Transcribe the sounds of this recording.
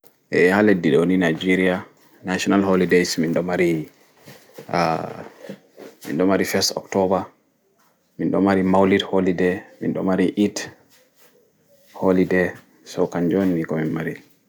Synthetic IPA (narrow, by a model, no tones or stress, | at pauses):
ʔɛ̰haledːiɗoninajd͡ʒiɾia | naʃɔnalholidejsminɗɔmaɾi | mḭnɗɔmaɾifɛstɔ̰ktɔba | minɗɔmaɾimawliɾholidɛmḭnɗɔmaɾiʔit | holidɛ | sɔkaɲd͡ʒonnikɔminmaɾil